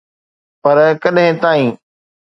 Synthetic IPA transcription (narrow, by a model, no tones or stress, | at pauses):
pɐɾkɐɗɦɪ̃t̪aːĩː